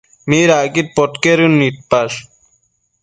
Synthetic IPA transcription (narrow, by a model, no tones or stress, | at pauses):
miɾaɡit̪̚pɔʈkeɾunːiʈ̪̚paʃ